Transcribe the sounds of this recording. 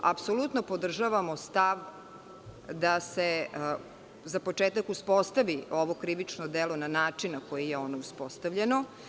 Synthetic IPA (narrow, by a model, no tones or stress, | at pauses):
a̰psolˠut̪nopo̞d̪r̩ʒaʋamo̞st̪aʋ | d̪ase | zapo̞t͡ʂeːt̪akuspo̞st̪aʋioʋo̞kɾiʋit͡ʂnod̪elˠo̞nanaːt͡ʂinako̞jijeo̞nouspost̪aʋʎeno